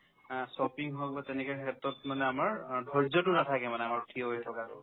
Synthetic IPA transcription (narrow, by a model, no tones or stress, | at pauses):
sɔpiŋɦɔkbatɛnɛkakʰɛtːɔtmanɛamaɹdʱɔɹzɔtʊnatʰakɛmanɛamaɹtʰiɔɦojtʰɔkakʊ̰